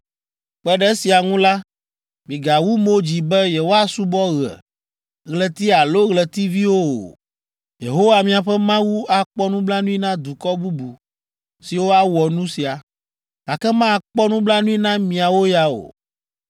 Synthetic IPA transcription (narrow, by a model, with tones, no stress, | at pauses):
k͡pɛ˦ɖɛ˦si˨a˨ŋũ˦la˦ | mĩ˨ɡa˨wu˦mo˦d͡ʑi˨bɛ˦jɛ˨wo˦a˦su˦bɔ˦ɣɛ̰˨ | ɣlɛ˨t̪i˦a˨lo˦ɣlɛ˨t̪i˦vi˦wo˦o̰˨ | je˨ɦo˦wa˨mĩ˨a˨ɸɛ˦mã˦wu˦a˨k͡pɔ˦nũ˦bla˦nũ˦i˦nã˦d̪u˨kɔ˦bu˦bu˨ | si˨wo˦a˦wɔ˨nũ˦si˨a˨ | ɡa˨kɛ˦mã˦a˨k͡pɔ˦nũ˦bla˦nũ˦i˦nã˦mĩ˨a˨wo˦ja˨o̰˨